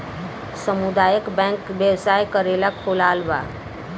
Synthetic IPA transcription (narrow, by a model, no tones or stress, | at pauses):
səmud̪aːjəkbɛ̃ːŋkbjewsaːjkəɾelakʰolaːlʋa̰